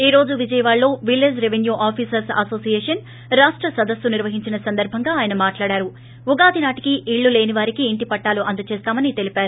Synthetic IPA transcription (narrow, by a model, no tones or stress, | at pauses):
iːɾo̞ːd͡ʒuʋid͡ʒɐjɐʋaːɭːo̞ːʋilːed͡ʒɾeʋenjuːʔaːpʰiːsɐɾsɐso̞ːsijeːʂɐn | ɾaːʂʈɾɐsɐd̪ɐsːuniɾʋɐɦiɲt͡ʃinɐsɐnd̪ɐɾbʱɐŋɡaːjɐnɐmaːʈlaːɽaːɾu | uɡaːd̪inaːʈi̥kiʔiɭːule̞ːniʋaːɾikiːɳʈipɐʈːaːluʔɐnd̪ɐt͡ʃeːst̪aːmɐnit̪e̞lipaːɾu